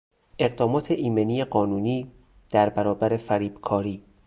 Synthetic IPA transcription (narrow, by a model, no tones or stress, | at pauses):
ʔe̞ɢd̪ɒːmɒːt̪ʰeʔiːmeniːjeɢɒːnuːniː | d̪̥æɾbæɾɒːbæɾe̞fæɾiːb̥kʰɒːɾiː